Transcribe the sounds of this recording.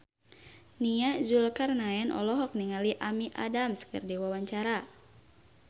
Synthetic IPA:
niazulkarnaɛnʔɔ̰lɔɦɔk̚niŋaliʔamiʔa̰damskɨ̰rdiwawaɲt͡ʃaɾa

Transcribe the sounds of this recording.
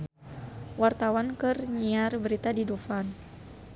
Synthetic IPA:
wart̪awankɨrɲiarbəɾit̪adidufan

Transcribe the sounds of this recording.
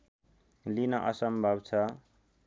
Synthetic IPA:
linʌʔʌsʌmbʱʌbt͡sʰʌ

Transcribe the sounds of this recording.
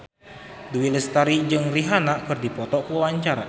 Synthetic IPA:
duwiləst̪aɾid͡ʒɨŋriɦanaʔkɨrdipɔt̪ɔkəwawaɲt͡ʃaɾa̰

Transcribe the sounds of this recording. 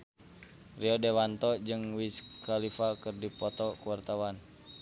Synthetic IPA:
riɔdewant̪ɔʔd͡ʒɨŋwiskalifakɨrdipɔt̪ɔkuwart̪awan

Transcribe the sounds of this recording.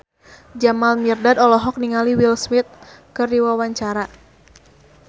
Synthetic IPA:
d͡ʒamalmirdadɔlɔɦɔk̚niŋaliwilsmɪt̪̚kɨrdiwawaɲt͡ʃaɾa

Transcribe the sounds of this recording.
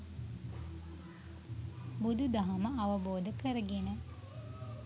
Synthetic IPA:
bud̪ud̪ɐɦɐməɐʋəboːd̪əkəɾəɡenə

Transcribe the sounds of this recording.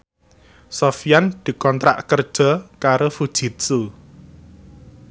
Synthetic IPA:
sofijand̪̥i̤kɔnt̪ɾa̰ʔkərd̥ʒ̥ɔ̤kaɾofud̥ʒ̥i̤t̪̚su

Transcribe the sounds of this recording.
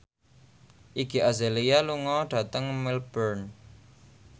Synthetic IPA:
ʔiɡ̥i̤ʔazelijaluŋɔɖ̥a̤t̪əŋmilb̥ərn

